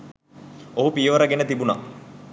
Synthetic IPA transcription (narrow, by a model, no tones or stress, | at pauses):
oɦupiəʋəɾəɡenət̪ibuna̰